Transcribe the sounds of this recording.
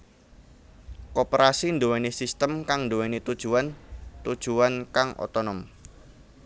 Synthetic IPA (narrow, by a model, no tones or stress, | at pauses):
kopɾasindowɛnisist̪əmkaŋndowɛnit̪ud̥ʒ̥uwant̪ud̥ʒ̥uankaŋʔo̰t̪onɔm